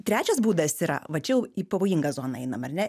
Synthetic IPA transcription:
t̪ʲɾʲæːt͡ʃʲɛsbuːd̪ɐsiːɾɐ̰ʋɐt͡ʃʲɛjɛʊiːpɐʋoːjɪŋɡɐzoːnɐɛɪnɐmɐɾnʲɛ

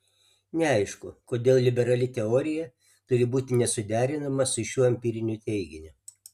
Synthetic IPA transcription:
nʲɛɐɪʃkʊkoːd̪ʲeːlˠlʲɪbʲɛɾɐlʲɪt̪ʲɛɔːɾʲɪjɛ | t̪ʊɾʲɪbuːt̪ʲɪnʲɛsʊd̪ʲæːɾʲɪnɐmɐsʊʃʲuːɐmʲpʲiɾʲɪnʲʊt̪ʲɛɪɡʲɪnʲʊ

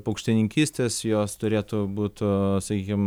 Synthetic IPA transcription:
pɐʊkʃʲt̪ʲɪnʲɪŋʲkʲiːsʲt̪ʲeːsjoːst̪ʊɾʲeːt̪ʊbuːt̪sɐkʲiːkʲɪm

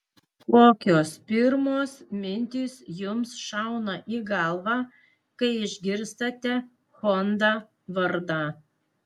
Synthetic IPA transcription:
koːkʲoːspʲɪɾmoːsmʲɪnʲt̪ʲiːsjʊmsʃɐʊnɐʔiːɡɐˑlˠʋɑː | kɐɪɪʒʲɡʲɪɾst̪ɐt̪ʲɛ | xɔnd̪ɑ | ʋɐɾd̪ɐ

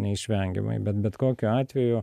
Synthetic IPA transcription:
nʲɛiʃʲʋʲɛŋʲɡʲɛ̰mɐ̰ɪbʲɛt̪bʲɛt̪koːkʲuːɑːt̪ʲʋʲɛjʊ

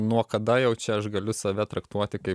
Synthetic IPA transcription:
nuɔkɐd̪ɐjɛʊt͡ʃʲɛɐʃɡɐlʲʊsɐʋʲɛt̪ɾɐkt̪uɔt̪ʲɪkɐɪ

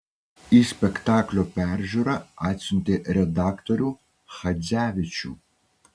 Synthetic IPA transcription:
isʲpʲɛkt̪ɑːklʲoːpʲæˑɾʲʒʲuːɾɐɑːt̪ʲsʲʊnʲt̪ʲeɾʲɛd̪ɑːkt̪ɔɾʲuː | xɐd̪zʲæːʋʲɪt͡ʃʲuːˑ

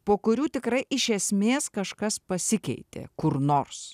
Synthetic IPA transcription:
poːkʊɾʲuːt̪ʲɪkɾɐɪʔɪʃʲɛsʲmʲeːskɐʃkɐspɐsʲɪkʲɛ̰ɪt̪ʲḛːkʊrnoːrs

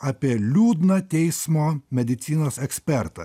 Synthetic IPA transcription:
aːpʲiɛlʲuːd̪nɐt̪ʲɛɪsmoːmʲɛd̪ʲɪt̪sʲiːnoːsɛksʲpʲɛɾt̪ɐ̰

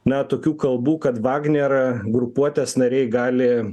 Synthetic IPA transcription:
nɐt̪oːkʲuːkɐlˠbuːkɐt̪ʋɑːɡnʲɛɾɐɡɾʊpuɔt̪ʲeːsnɐɾʲɛɪɡɑːlʲɪ

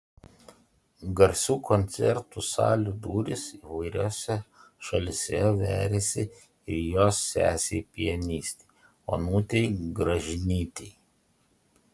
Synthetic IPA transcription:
ɡɐɾʲsʲuːkʰɔnʲt̪sʲɛɾt̪usɑ̰ːlʲuːd̪uːɾʲɪsiːʋɐɪɾʲoːsʲɛ | ʃɐlʲɪsʲɛʋʲæːɾʲesʲɪ | ɪɾjoːsːʲæ̰ːsʲeːpʲɪɛnʲiːsʲt̪ʲe̥ː | o̰ːnuːt̪ʲɛɪɡɾɐʒʲɪnʲiːt̪ʲɛɪ

